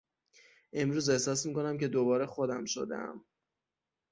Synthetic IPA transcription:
e̞mɾuːze̞hsɒːsmiːkʰo̞næmce̞d̪obɒːɾe̞xod̪æmʃo̞̰d̪æ̰m

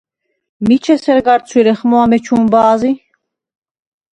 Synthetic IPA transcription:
mit͡ʃʰɛsɛɾɡaɾt͡sʰwiɾɛχmɔamɛt͡ʃʰumbaːzi

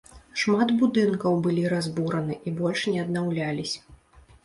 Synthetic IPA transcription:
ʂmad̪bud̪ɨnkɐwbɨlʲiɾazbuɾɐnɨʔibɔlʲʂnʲɛɐd̪nawlʲalʲisʲ

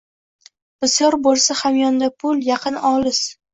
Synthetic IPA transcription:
b̥ɪsjɒɾbolˠsahamjɒnd̪apʰʊljɑqʰɨnɒlɪs

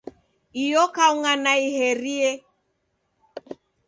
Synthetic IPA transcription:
ijɔkauŋanaihɛɾiɛ

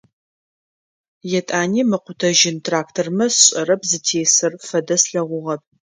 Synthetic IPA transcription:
jɛtʼaːniːmɨqʷʊtʰɐʒɪntʰraːktʰormɐsɕʼɐɾɐpʰzɨtʰeːsɨrfɐdɐsɬɐʁʷʊʁɐp̚

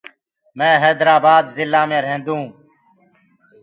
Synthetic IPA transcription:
mẽːɦeːd̪ɾaːbaːd̪zɪlːãːmẽːɾẽːnd̪ũː

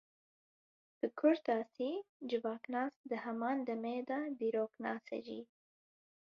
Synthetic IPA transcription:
d̪̥əkʰʊɾt̪ɑsid͡ʒɪbɑːknɑːsd̪əhamɑnd̪əmed̪ɑd̪iɾoknɑ̰sa̰ʒḭ

